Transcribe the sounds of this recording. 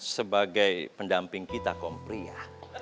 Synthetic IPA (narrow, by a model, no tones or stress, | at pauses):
səbaɡajpəndampɪŋkit̪akɔmpɾia